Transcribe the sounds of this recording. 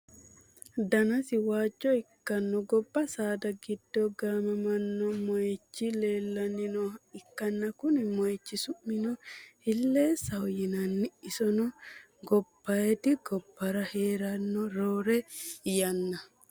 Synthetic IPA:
d̪ɐnɐsɪwaːd͡ʒːɔɪkːɐnːɔɡɔbːɐsaːd̪ɐɡɪd̪̥ːɔɡaːmɐmɐnːɔmɔjɛt͡ʃːɪleːlːɐnɪnɔɪkːɐnːɐkʊnɪmɔjɛt͡ʃːɪsʊʔːɪnɔhɪlːeːsɐwɔjɪnɐnːɪɪsɔnɔ | ɡɔb̥ːɐjɛt̪ɪɡɔb̥ːɐɾɐhe̞ːɾɐnːɔɾoːɾɛjɐnːɐ

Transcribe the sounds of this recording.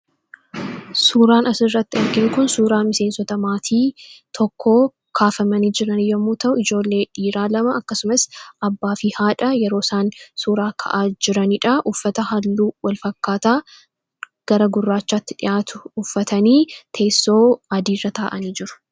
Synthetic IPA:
suːɾaːnɐsɪrːɐt̪ːɪɐɾɡɪŋkʊnsuːɾaːmɪse̞ːnsɔt̪ɐmaːt̪ʰiːt̪ʰɔkːo̞ː | kʰaːfɐmɐniːd͡ʒɪɾɐnjɐmːuːt̪ɐʔʊɪd͡ʒo̞ːlːe̞ːᶑiːɾaːlɐmɐɐkːɐsʊmɐsɐbːaːfiːhaːᶑɐjɛɾo̞ːsaːnsuːɾaːkʰɐ̰ʔaːd͡ʒɪɾɐniːᶑɐʔʊfːɐt̪ɐhɐlːuːwɐlfɐkːaːt̪aː | ɡ̥ɐɾɐɡʊrːaːt͡ʃːat̪ːɪ̥ᶑɪ̰jaːt̪ʊ̥ːfːɐt̪ɐniːt̪ʰe̞ːsːo̞ːɐd̪iːrːɐt̪ʰaːʔɐniːd͡ʒɪɾʊ̥

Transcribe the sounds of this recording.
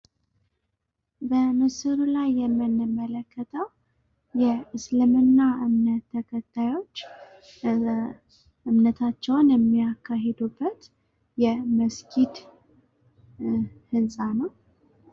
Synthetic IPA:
bənɨsɨɾulajːɛmːɨnːɨmːələkːət̪ʰəw | jɛɨslɨmɨnːaʔɨmnət̪ʰːəkʰət̪ʰːajo̞t͡ʃː | ʔɨmnət̪ʰat͡ʃːɛwnjɛmːijakʰːaɦed̪ubːət̪ | jɛməskʰid̪ | hɨnsʼanəw

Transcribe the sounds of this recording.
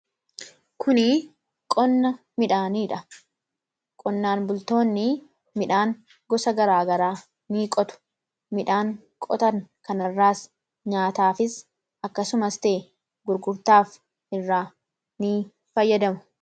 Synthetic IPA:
kʰʊni | kʼɔnːɐ | mɪᶑaːniːᶑɐ | kʼɔnːaːnbʊlt̪o̞ːnːɪ | mɪᶑaːŋ | ɡɔsɐɡɐɾaːɡɐɾaː | niːkʼɔt̪ʊ̥ | mɪᶑaːŋ | kʼɔt̪ɐŋkɐnɐrːaːs | ɲaːt̪aːfɪs | ɐkːɐsʊmɐst̪eː | ɡʊɾɡʊɾt̪aːf | ʔɪrːaː | niː | fɐjːɐd̪ɐmʊ̥

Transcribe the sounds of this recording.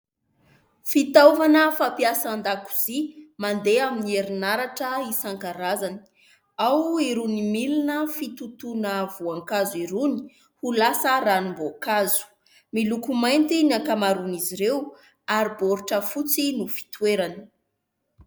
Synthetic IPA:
fit̪avanəfapiasand̪aku̥z̥imand̪eaminieɾinaɾaʈ͡ʂəisaŋkaɾazani̥ | awiɾunimilinəfit̪ut̪unəvuaŋkaziɾuni̥ | hulasəɾanumbokazu̥ | milukumajnt̪inakamaɾuniziɾew | aɾiboɾuʈ͡ʂəfut͡sinufi̥t̪weɾani̥

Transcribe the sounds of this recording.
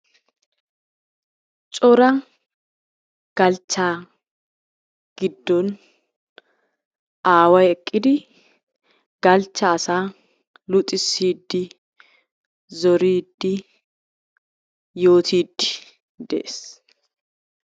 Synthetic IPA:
t͡ʃʼɔɾɐ | ɡ̥ɐlt͡ʃːaː | ɡ̥ɪd̪ːɔn | ʔaːwɐjɛkʼːɪd̪ɪ | ɡ̥ɐlt͡ʃːɐːsaː | lʊt̪ʼɪsːiːd̪ːɪ | zɔɾiːd̪ːɪ | jo̞ːt̪ʰiːd̪ːɪ̥ | d̪ɛ̰ʔes

